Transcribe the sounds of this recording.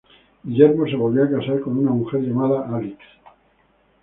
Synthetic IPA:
ɡiʎe̞ɾmo̞se̞βo̞lβioakasaɾko̞nunamuxe̞ɾʎamaðaʔaliks

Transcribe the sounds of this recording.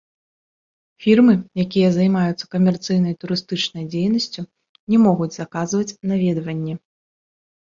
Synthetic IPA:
fʲirmɨjakʲijɐzajmajut̪sːɐ̥kɐmʲɛrt̪sɨjn̪ɐjt̪uɾɨst̪ɨt͡ʂnɐjd͡zʲejnɐsʲt͡sʲu | nʲɛmɔɣud͡zʲzakazvɐt͡sʲnavʲɛd̪vɐnʲːɛ

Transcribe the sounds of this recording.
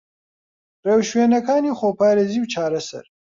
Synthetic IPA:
ɾewʃweːnɐkaːnixoːpʰaːɾeziwt͡ʃʰaːɾɐsɐ̰ɾ

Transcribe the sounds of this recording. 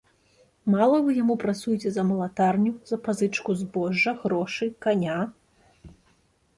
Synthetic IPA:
malˠɐvɨjamupɾat̪sujt͡sʲɛzɐmɐlˠat̪arnʲuzɐpazɨt͡ʂkuzbɔʐːɐɣɾɔʂɨkanʲa

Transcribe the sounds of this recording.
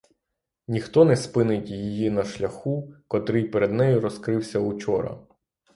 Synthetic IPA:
nʲixt̪ɔnɛspɪnɪtʲjijinɐʃlʲɐxukɔt̪ɾɪjpeɾed̪nɛjʊɾɔskɾɪwsʲɐut͡ʃɔɾɐ̰

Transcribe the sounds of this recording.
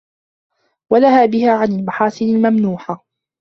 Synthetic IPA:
wanahaːbɪhaːʕanalmaħɑːsɪnalmamnuːħa

